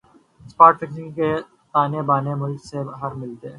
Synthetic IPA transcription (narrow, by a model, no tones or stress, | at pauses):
spaːʈʈɛkniːkːe | t̪aːnebaːnemʊlksebɦɐɾmɪlt̪eː